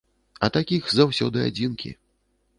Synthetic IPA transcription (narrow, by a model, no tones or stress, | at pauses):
ɐt̪akʲixzawsʲɔd̪ɨa̰d͡zʲinkʲḭ